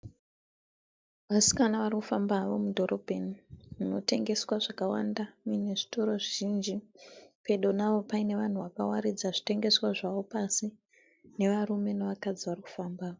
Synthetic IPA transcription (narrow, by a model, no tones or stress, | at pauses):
ʋasi̥kanaʋarikufambaʋo̞mudʱo̞ɾʔo̞bʱenimuno̞te̞ŋɡe̞swaʐakawa̰ndamine̞ʐi̥toɾo̞ʐiʒind͡ʒipe̞ɗo̞naʋo̞paine̞ʋan̤uʋakawaɾid͡zaʐite̞ŋɡe̞swaʐaʋo̞pasi | ne̞ʋarume̞neʋakad͡ziʋariku̥fambaːʋo